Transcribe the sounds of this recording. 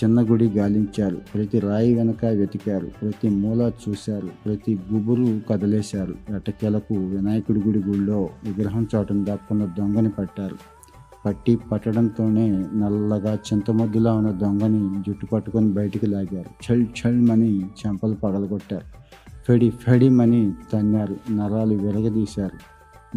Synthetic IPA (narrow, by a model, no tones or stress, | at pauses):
t͡ʃinːɐɡuɽiɡaːliɲt͡ʃaːɾṵpɾɐt̪iɾaːjiʋɛnɐkɐʋjɐd̪ikaːɾṵpɾɐt̪imuːlat͡ʃuːsaːɾupɾɐt̪iɡubuɾukɐd̪ɐlɛːsaːɾuɐʈɐkɛlɐkuʋɪnaːjɐkuɽuɡuɽiɡuɭlo̞ːʋiɡɾɐɦɐmt͡ʃaːʈund̪aːkːund̪ɐd̪oŋɡɐnipɐʈːaːɾu | pɐʈːipɐʈːɐɽɐnt̪o̞ːne̞ːnɐlːɐɡaːt͡ʃint̪ɐmɐd̪ːulaːunːɐd̪oŋɡɐnid͡ʒuʈːupɐʈːukonibɐjɐʈɐkilaːɡaːɾut͡ʃʰɐɭt͡ʃʰɐɭmɐnit͡ʃɐmpɐlupɐɡɐlɐɡɔʈːaːɾu | pʰeɽipʰeɽimɐnit̪ɐnjaːɾunɐɾaːluʋɪɾɐɡɐd̪iːsaːɾu